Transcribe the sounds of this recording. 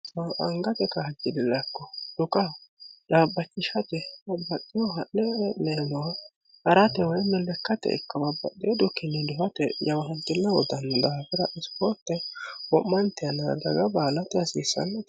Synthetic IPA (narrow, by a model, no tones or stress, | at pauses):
aʔɐŋɡɐt̪ɛkɐhɐd͡ʒːɪd̪ɪlːɐkːɔd̪̥ʊkɐd̪aːbːɐt͡ʃːɪʃɐt̪ɛɐbɐɗɪjɔɦɐʔːɛnenɔw | hɐɾɐt̪ɛwɔjmɛlːɛkːɐt̪ɛ̰ɪ̰kːɐbɐbɐ̰ɗːeːd̪ʊkːɪnːɪd̪ʊfɐt̪ɛjɐwɐhɐnt̪ːɪnːɐwɔd̪ɐnd̪aːfɪɾɐʔɪspɔɾt̪ːɛwɔmːɐnt̪ɛjɐna̰ːd̪ɐɡɐbaːlɐt̪ɛɐsiːsːɐ̰nːɐt̪